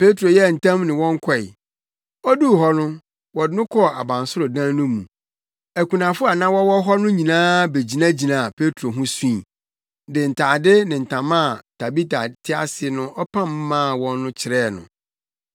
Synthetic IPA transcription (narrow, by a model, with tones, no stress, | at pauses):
pe˦tʰɾo˨jɛ˦˨n̩˨tʰã˦mnɪ̃˨wɔ̃˦ŋ˦kʰɔ˦˨ɪ˨ | ɔ˦du˦˨ɦɔ˦nʊ̃˦ | wɔ˨dnʊ̃˦kʰɔ˦a˨bã˨n˨sʊ˦ɾʊ˨dã˦nʊ̃˦mṵ̃˨ | æ˨kʰũ˨nã˨fʊ˦a˨nã˦wɔ˦wɔ˦ɦɔ˦nʊ̃˦ɲĩ˨nãː˦be˨d͡ʑi˨nã˦d͡ʑi˨nã˨pʰe˦tʰo˨ɦũ˦suĩ˦ĩ˨ | dɪ˨n̩˨tʰaː˨dɪ˦nɪ̃˨n̩˨tʰã˨mã˦˨tʰa˨bi˦ta˨tʰɪ˦a̰˨sɪ˨˦nʊ̃˦ʔɔ˦pʰã˦˨m˦mːã˦˨wɔ̃˦nː˦ʊ̃˦t͡ɕʰɪ˨ɾɛː˦˨nʊ̰̃˨